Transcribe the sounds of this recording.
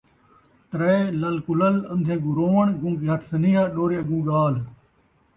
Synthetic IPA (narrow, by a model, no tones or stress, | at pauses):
t̪ɾɐelɐlkulɐlɐnd̪ʱẽːɡuɾoːʋəɳɡũːkiɦɐt̪ʰsɐniːɦaːɗoːɾeːɐɡũːɡaːl